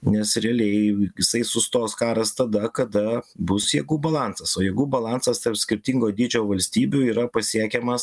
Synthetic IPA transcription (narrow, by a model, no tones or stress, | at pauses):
nʲɛsɾʲɛɐlʲɛɪjɪsɐɪsʊst̪oːskɑːɾɐst̪ɐd̪ɐkɐd̪ɐbʊsjɛːɡubɐlˠɑnsɐsoːjɛɡubɐlˠɑnsɐst̪ɐrpsʲkʲɪɾʲt̪ʲiŋɡoːd̪ʲiːd͡ʒʲoːʋɐlʲsʲt̪ʲiːbʲʊiːɾɐpɐsʲiɛkʲɛmɐs